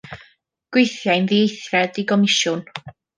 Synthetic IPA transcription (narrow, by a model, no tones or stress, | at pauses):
ɡ̥wɪjθjajnðiejθjɛdiɡɔmɪʃʊn